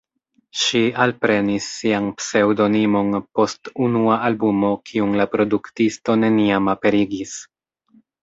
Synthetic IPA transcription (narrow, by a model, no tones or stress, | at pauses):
ʃialpɾe̞nisːianpse̞wdo̞nimo̞npo̞stunuaʔalbumo̞kʰiunlapɾo̞duktisto̞ne̞niamape̞ɾiɡis